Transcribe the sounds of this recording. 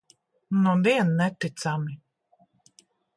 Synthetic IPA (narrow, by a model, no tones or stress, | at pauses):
nɔviɛnːɛt̪it̪sami